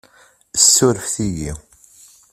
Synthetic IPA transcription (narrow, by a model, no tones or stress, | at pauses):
əsːʊɾəfθijḭ